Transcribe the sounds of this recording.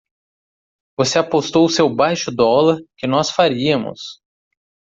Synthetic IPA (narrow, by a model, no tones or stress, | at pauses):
voseapost̪owʊsewbajʃʊd̪ɔlɐɾkɪnɔsfaɾiɐmʊ̰s